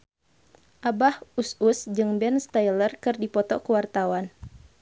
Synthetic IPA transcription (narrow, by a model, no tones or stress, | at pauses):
ʔabahususd͡ʒɨŋbɛnst̪ajlərkɨrdipɔt̪ɔkəwart̪awan